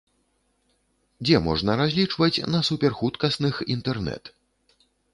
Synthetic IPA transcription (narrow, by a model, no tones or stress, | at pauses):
d͡zʲɛmɔ̰ʐnɐɾazʲlʲit͡ʂvɐt͡sʲnɐsupʲɛrxut̪kɐsnɨxint̪ɛrnɛ̰t̪